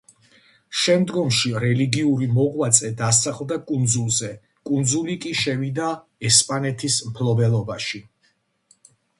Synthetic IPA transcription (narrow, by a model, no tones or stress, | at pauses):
ʃɛmd̪ɡɔmʃiɾɛliɡiuɾimɔʁwat̪sʼɛd̪asaχlˠd̪akʼund̪zulˠzɛ | kʼund̪zulikʼiʃɛvid̪a | ɛspʼanɛt̪ʰismpʰlˠɔbɛlˠɔbaʃi